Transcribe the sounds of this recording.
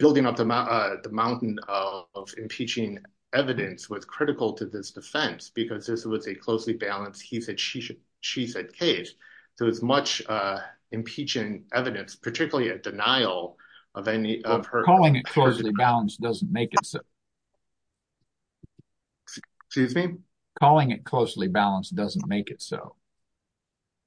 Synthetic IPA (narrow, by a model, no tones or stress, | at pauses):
b̥ɪlˠdɪ̃ŋʌp̚ðəmaʔʌðəmãʊ̃nʔn̩ʌvɨ̃mpʰit͡ʃɪ̃ŋ | ɛvɨɾɨ̃nswʌz̥kʰɹ̥ɪɾɨkl̩ˠtʰɨðɪsd̥ɨfɛ̃nsb̥ɨkʰʌzðɪswʌzɨkʰl̥oʊslibælˠə̃nshisɛd̥ʃi | ʃisɛd̚kʰeɪsðɨwʌzmʌt͡ʃ | ɨ̃mpʰit͡ʃɨ̃ntʔɛvɨɾɨ̃nspʰə˞tʰɪkjl̩ˠiɨdɨnaɪl̩ˠ | ʔʌvɛniʔʌv̥ə˞kʰɔlˠɪ̃ŋɨt̚kʰl̥oʊslibælˠə̃nsd̥ʌzn̩meɪkɨtsoʊ | skjʉzmi | kʰɔlˠɪ̃ŋɨt̚kʰl̥oʊslibælˠə̃nsd̥ʌzn̩meɪkɨtso̰ʊ